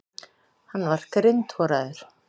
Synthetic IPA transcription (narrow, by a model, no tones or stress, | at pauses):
hanːvaɾ̥kɾɪnt̪fɔːɾaðʏɾ̥